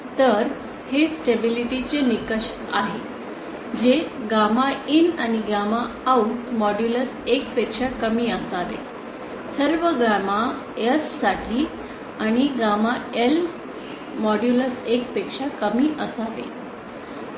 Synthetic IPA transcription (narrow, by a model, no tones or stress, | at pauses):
t̪əɾ | hesʈebiliʈit͡ɕenikəʂ | aɦe | d͡ʑeɡamainañiɡamaː | uʈmɔɖjuləsek̚pekʂakəmiːəsaʋḛ | səɾʋəɡama | əsːaʈʰiː | aɽ̃iɡamael | mɔɖjuləsekpekʂakəmiːʔəsaʋḛ